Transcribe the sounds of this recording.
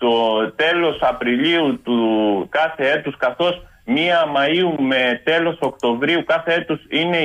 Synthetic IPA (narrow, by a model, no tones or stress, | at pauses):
t̪ot̪e̞lo̞sɐpɾiliut̪ukɐθe̞e̞t̪uskɐθo̞s | miɐmɐiume̞t̪e̞lo̞so̞kt̪o̞vɾiukɐθe̞e̞t̪usine̞